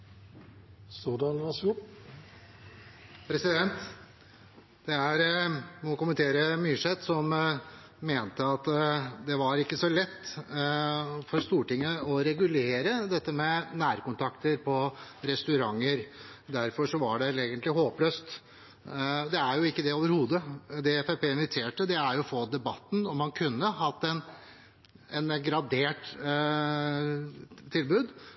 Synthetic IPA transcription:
soːd̪ɑnʋɑsʊ | pʰɾɛsɪd̪ɛnt̪ | d̪̥ɛæɾmɔkʊmənt̪ʰeːɾəmyːʂɛt̪sɔmː | eːnt̪əɑt̪d̪ɛʋɑɾɪkːəsɔlɛt̪ː | fɔɾst̪uːʈɪŋːəɔɾɛɡʉleːɾəd̪ɛt̪ːəmɛnæːɾkʊnt̪ʰɑkt̪əɾpʰɔɾɛst̪ʉɾɑŋːəɾ | d̪æɾfɔʂɔʋɑ̰ɖɛleːɡənt̪lɪɦoːpløːst̪ | d̪ɛæɾjʊɪkːəd̪ɛoːʋəɾhuːd̪əd̪ɛfæpeːɪnʋɪt̪ʰeːʈəd̪ɛæɾjʊfoːd̪ɛbɑt̪ːnɔmhɑnkʰʉnːəhɑt̪ːɛn | ɛnɡɾɑd̪eːʈ | t̪ʰɪlbʉːd̪

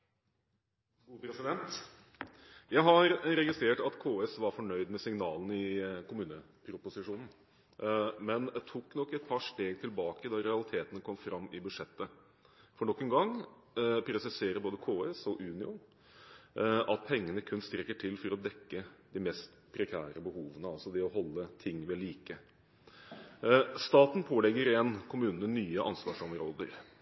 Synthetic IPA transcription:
upɾɛsɪd̪ɛnt̪ | jæɪɦɑɾɾɛɡɪst̪ɾeːʈɑt̪kʰoːeːsʋɑɾfɔɳœʏd̪mɛsɪŋnɑːlnɪkʰʊmʉːnə | pʰɾʊpʊsɪʂuːnn̩ | mɛnd̪ɛt̪ʰukːnɔkːɛt̪̚pʰɑʂʈeːɡt̪ʰɪlbɑːkəd̪ɑɾɛɑlɪt̪ʰeːt̪ənəkʰɔmfɾʔɑmːɪbʉd̪ʂɛt̪ːə | fɔɳɔkːənɡɑŋ | pʰɾɛsɪseːɾəboːd̪əkʰoːɛsɔʔʉːnɪʊn | ʔɑt̪̚pʰɛŋːənəkʰʉnst̪ɾɛkːəʈʰɪlfɔɾɔd̪ɛkːəd̪ɪmɛst̪pʰɾɛkʰæːɾəbəhuːʋənəɑlsɔd̪ɛɔhɔlːət̪ʰɪŋːʋɛliːkə | st̪ɑːt̪n̩pʰoːlɛɡːəɾɛnkʰʊmʉːnənənyːəʔɑ̰nsʋɑːʂɔmɾoːd̪ə̰ɾ

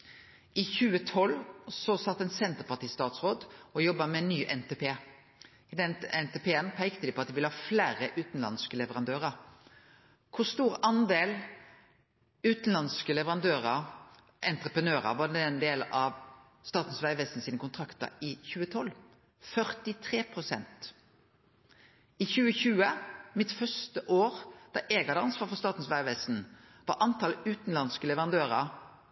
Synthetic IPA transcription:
ɪçʉːət̪ʰɔlːsɔsɑt̪ːɛnsɛnt̪əʁpɑʁt̪iːst̪ɑːt̪sʁoːd̪ɔjɔbːɑmɛnːyːʔɛnt̪eːpʰeː | ɪd̪ɛnɛnt̪ɛpʰeːənpʰæɪkt̪əd̪ɪpʰɔɑt̪d̪ɪʋɪləhɑːflæːɾəʔʉːt̪n̩lɑ̰nskəlɛʋəʁɑnd̪øːʁəɾ | kʰʊst̪uːɾɑnd̪eːl | ʉːt̪n̩lɑnskəlɛʋəʁɑnd̪øːʁə | ʔɛnt̪ʁəpʁənøːʁə̰ʋɑdɛnd̪eːlʔɑʋ | st̪ɑːt̪n̩sʋæɪʋɛst̪n̩siːnəkʊnt̪ʰʁɑkt̪ɑ̰ɪçʉːət̪ʰɔl | fœʁt̪ɪt̪ʰʁeːpʰʁʊsɛ̰nt̪ | ɪçʉːəçʉːəmɪt̪fœst̪əʔoːʁd̪̥ɑʔeɡɑd̪əɑnsʋɑːɾfɔst̪ɑːt̪n̩sʋæɪʋɛst̪n̩ | ʋɑ̰ɾʔɑnt̪ɑlʉːt̪n̩lɑnskəlɛʋəʁɑnd̪øːʁə

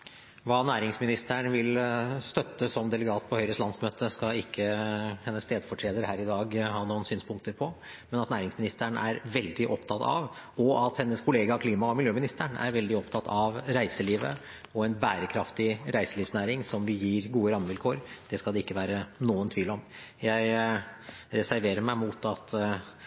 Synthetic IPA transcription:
ʋɑːnæːɾɪŋsmɪnɪst̪əɳʋɪlst̪œt̪ːəsɔmd̪ɛləɡɑːt̪̚pʰɔhœʏɾəst̪lɑnsmøːt̪ʰəskɑɪkʰːəhɛnːəst̪ʰeːd̪fɔʈʰɾeːd̪əɾhæːɾɪd̪ɑːɡhɑːnuːənsyːnspʰʊŋkt̪əɾpʰɔ | mɛnɑt̪næːɾɪŋsmɪnɪst̪æɳæɾʋɛld̪ɪʔɔpt̪ʰɑt̪ʰɑ̰ʋɔɑt̪hɛnːəskʰʊleːɡɑkʰliːmɑɔmɪljøːmɪnɪst̪əɳæ̰ɾʋɛld̪ɪɔpt̪ʰɑt̪ʰɑʋɾæɪsəliːʋə̰ | ɔɛnbæːɾəkʰɾɑft̪ɪɾæɪsəliːfsnæːɾɪŋsɔmʋɪjiːɾɡuːəɾɑmːəʋɪlkʰoːɾd̪̥ɛskɑld̪ɛɪkːəʋæːɾənuːənt̪ʰʋiːlɔmjæɪ | ɾɛsæɾʋeːɾəɾmæɪmuːt̪ɑt̪

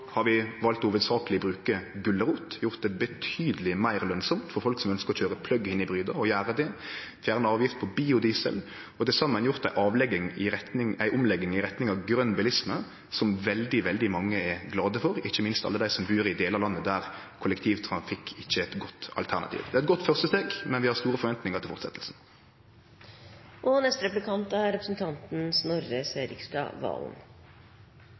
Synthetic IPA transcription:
hɑɾʋɪʋɑlt̪uːʋəd̪sɑːkəlɪbɾʉːkəɡʉlːəʁuːt̪jʊɾt̪̚d̪ɛbət̪ʰyːd̪əlɪmæɪɾlœnsɔmt̪fɔɾfɔlksɔmœnskəɾɔçøːɾəpʰlœɡːəɪnːɪbɾyːd̪əɔjæːɾəd̪ɛfjæːɾnəɑːʋjɪft̪̚pʰɔbiːʊd̪iːsə̰l | ɔd̪ɛsɑmːənjʊɾt̪d̪æɪʔɑːʋlɛɡɪŋɪɾɛt̪nɪŋæɪʔʊmlɛɡɪŋɪɾɛt̪nɪŋɑʋɡɾœnːbɪlɪsmə | sɔmʋɛld̪ɪʋɛld̪ɪmɑŋːəɛɡlɑːd̪əfɔɾɪçːəmɪnst̪ɑ̰lːəd̪æɪsɔmbʉːɾɪd̪eːləɑlɑnːəd̪æɾkʰʊləkt̪ʰiːʋt̪ʰɾɑnfɪkʰːɪçːəɛt̪ɡɔt̪ːɑ̰lt̪ʰæʁnɑ̰t̪ʰḭːʋd̪ɛæɛt̪̚ɡɔt̪ːfœʁst̪əst̪eːɡmɛnʋɪhɑʁst̪uːɾəfɔɾʋɛnt̪nɪŋəɾt̪ɪfɔɾt̪sɛ̰t̪ːəlsn̩ | ʔɔnɛst̪əɾɛplɪkʰɑnt̪æɾɾɛpɾəsn̩t̪ʰɑnt̪n̩snɔɾəseːɾɪkst̪ɑ̰ʋɑ̰ːln

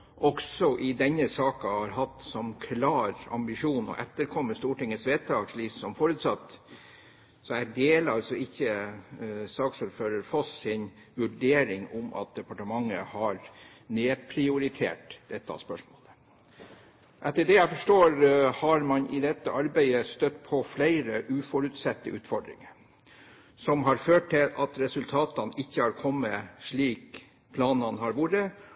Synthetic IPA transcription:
ʔɔksɔʔɪd̪ɛɲːəsɑːkɑhɑɾɦɑt̪sɔmkʰlɑːɾɑ̰mbɪʂuːnɔ̰ʔɛt̪ːəɾkʰɔmːəst̪uːʈɪŋːəsʋeːt̪ʰːɑːɡʂɭiːssɔmfoːɾʉːt̪sɑt̪ː | sɔæd̪eːlɑlsɔɪçːə | sɑːksɔlføːɾəɾfɔsɪn | ʋʉɖeːɾɪŋʊmʔɑ̰t̪̚d̪ɛpɑʈəmɑŋːə̰hɑɾ | neːpʰɾɪʊɾɪt̪ʰḛːʈd̪̥ɛt̪ːɑ̰spœʂmo̰ːlə | ʔɛt̪ːəɖɛjæɪfɔʂʈoːɾhɑɾmɑnɪd̪ɛt̪ːəʔɑɾbæɪəst̪œt̪ːpʰɔflæɪɾəʔʉːfɔɾʉt̪sɛt̪ːəʔʉːt̪fɔɖɾɪ̰ŋə | sɔmɦɑɾføːʈ̚tɪlɑt̪ɾɛsʉlt̪ʰɑːt̪ɑnɪçːəhɑɾkʰɔmːəʂɭiːk | pʰlɑːnɑnɦɑɾʋuɾə

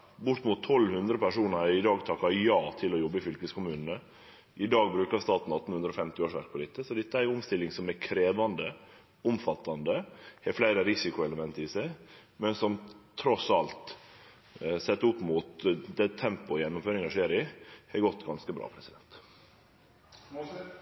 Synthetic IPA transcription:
bʊʈ̪muːt̪ʰːɔlːhʉnd̪ɾəpæʂuːnəɾɪd̪ɑːɡt̪ʰɑkːɑjɑːt̪ʰɪlɔjɔbːəfʏlkəskʊmʉːnnə | ʔɪd̪ɑːɡbɾʉːkɑɾst̪ɑːt̪n̩ɑt̪ːn̩hʉnd̪ɾɔːfɛmt̪ɪoːʂʋæ̰ɾk̚pʰɔd̪ɪt̪ːəsɔd̪ɛt̪ːəæjʊmst̪ɪlːɪŋsɔmɛkʰɾeːʋɑnd̪ə | ʊmfɑt̪ːɑnd̪əhɛflæɪɾəɾɪsɪkʊɛləmɛnt̪ɪsæɪmɛnsɔmt̪ʰɾɔsɑlt̪ | sɛt̪ːʊpːmuːt̪d̪ɛt̪ʰːɛmpʊjɛnːʊmføːɾɪŋɑʂeːɾɪhɛɾɡɔt̪ːɡɑnskəbɾɑ̰ːpʰɾɛsɪd̪ɛnt̪

